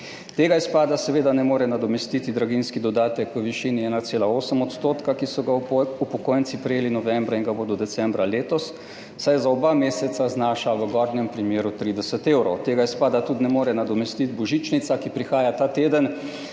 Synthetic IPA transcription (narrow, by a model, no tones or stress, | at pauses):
t̪eːɡaispaːd̪asɛʋeːd̪anɛmoːɾɛnad̪ɔmɛst̪it̪id̪ɾaɡinskid̪ɔd̪aːt̪əkʋəʋiʃiːniɛːnat̪seːlaoːsəmɔt̪st̪oːt̪kakisɔɡaupɔkoːjnt̪sipɾɛjeːlinɔʋɛmbɾainɡabod̪ɔd̪ɛsɛmbɾaleːt̪ɔsː | ajzaɔbameːsɛt̪saznaːʃaʋəɡɔɾnɛmpɾimjeːɾut̪ɾiːd̪ɛsət̪eːwɾowt̪eːɡajspaːd̪at̪ud̪nɛmoːɾɛnad̪ɔmɛst̪it̪bɔʒit͡ʃnit̪sakipɾixaːjat̪aːt̪eːd̪ən